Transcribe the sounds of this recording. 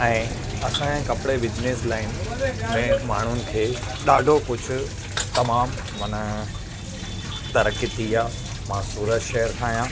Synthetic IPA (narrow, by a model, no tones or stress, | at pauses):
ɛ̃ː | ɐsãɛ̃kɐpɪɽebɪd͡ʑneslaːɪnmẽmaːɳ̤ʊnɪ̆kʰeː | ɗaːɖʱokʊd͡ʑʱʰʊ̆ | t̪ɐmaːm | ʋɐnə | t̪ɐɾəkit̪ʰiaː | mãːsuːɾəd͡ʑʃɛɦəɾk̪ʰaːɦijãː